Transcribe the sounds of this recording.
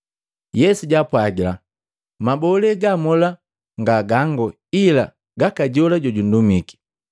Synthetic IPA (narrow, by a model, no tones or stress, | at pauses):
jɛsuɟapwaɡila̰ | mabɔlɛɡamɔla | ŋɡaɡaŋɡɔ | ila̰ | ɡakaɟɔlaɟɔɟun̩dumiki̥